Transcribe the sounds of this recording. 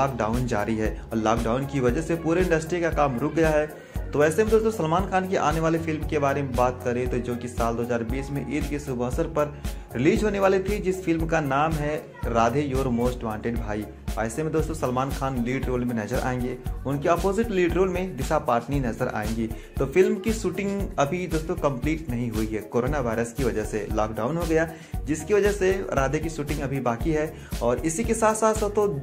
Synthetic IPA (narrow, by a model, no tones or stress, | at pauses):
aːkɖaːʊnd͡ʒa̰ːɾiɦɛːɔːɾlaːk̚ɖaːʊnkiʋɐd͡ʒəɦsepuːɾeɪ̃ɳɖəsʈɾikakaːmɾʊk̚ʰɡɐjaɦɛ | t̪oɛːsemẽd̪oːst̪õsɐlmaːnkʰaːnkeʔa̰ːneʋaːlefɪlmkebaːɾemẽbaːt̪kɐɾẽt̪od͡ʒoːkisaːld̪oːɦəzaːɾbiːsmẽʔɪd̪kesʊbɦsəɾpɐɾɾɪliːd͡ʒɦoːneʋaːlet̪ʰid͡ʒɪsfɪlmkanaːmɦɛ | ɾaːd̪ʱejoːɾmoːsʈʋãːɳʈeɖbʱaːi | a̰ːsemẽd̪oːst̪õsɐlmaːnkʰaːnliːɖɾoːlmẽnɐd͡ʒəɾʔa̰ːẽːŋ̆ɡeːʊnkeɔːpoːzɪʈliːɖɾoːlmẽd̪ɪsapaːʈninɐzəɾʔa̰ːẽːŋɡiː | t̪oːfɪlmkiʃuːʈɪ̃ŋɡɐbʱid̪oːst̪õkɐ̃mpliːʈnɐɦĩɦuiɦɛːkoːɾoːnaʋaːɪɾəskiʋɐd͡ʒəɦselɔːk̚ɖaːʊnɦoɡɐja | d͡ʒɪskiʋɐd͡ʒəɦseɾʔaːd̪ekiʃuːʈɪ̃ŋɡɐbʱibaːkiɦɛ | ɔːɾɪsikesaːt̪saːt̪sət̪o